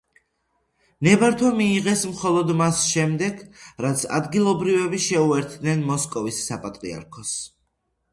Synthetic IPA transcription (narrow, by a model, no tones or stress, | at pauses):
nɛbaɾt̪ʰɔmiːʁɛsmχɔlˠɔd̪masʃɛmd̪ɛɡɾat̪sʰa̰d̪ɡilˠɔbɾivɛbiʃɛuɛɾt̪ʰd̪nɛnmɔskʼɔvisːapʼat̪ʼɾḭa̰ɾkʰɔs